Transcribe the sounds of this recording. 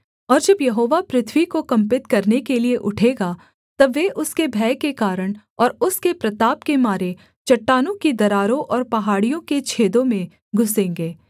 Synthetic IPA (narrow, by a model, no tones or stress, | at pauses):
ɔːɾd͡ʒɐbjɐɦoːʋapɾɪt̪ʰʋikokɐ̃mpɪt̪kɐɾnekelieʔʊʈʰeːɡa | t̪ɐːeʔʊskebʱɛːkekaːɾəɽ̃ | ɔːɾʊskepɾɐt̪aːpkemaːɾe | t͡ʃɐʈːaːnõkid̪ɐɾaːɾõʔɔːɾpɐɦaːɽijõket͡ʃʰeːd̪õmẽ | ɡʱʊsẽːŋɡeː